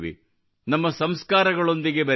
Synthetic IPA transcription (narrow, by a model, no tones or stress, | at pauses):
ʋḭ | nɐmːɐsɐmskaːɾɐɡɐɭo̞nd̪iɡe̞bʱɐ